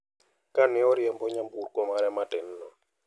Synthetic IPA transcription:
kanɪɔɾjɛmbɔɲamburkɔmaɾɛmatɪn̩ːɔ

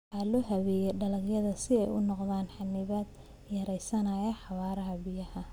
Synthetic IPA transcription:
ħɑlɔɦɐβɛjɛɖɐlɐɡjɐðɐsɪɛjʊnɔqðaːnħɑnɪβad̪ | jɐɾɛjsɐnɐjɐħɑβaːɾɐɦɐbɪjɐhɐ

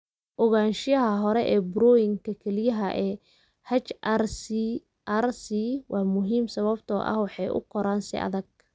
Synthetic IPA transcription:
ʔɔɣaːnʃɪjɐɦɐɦɔɾɛʔɛːbɾɔːjɪŋkʰɐkʰɛlɪjɐɦɐʔɛː | hɐt͡ʃʔars | ʔarsiwʔɑːmʊɦiːmsɐβɐbt̪ʰɔ̰ːʔɐ̰hwɑħɑjʔʊ̰kʰɔɾaːnsɪ̰ʔɐ̰ðɐɡ̚

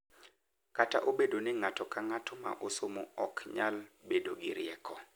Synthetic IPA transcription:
kata̰ʔobedonɪŋatɔkaŋatɔma̰ʔosomoɔkɲalbedoɡɪɾɪɛkʰɔ

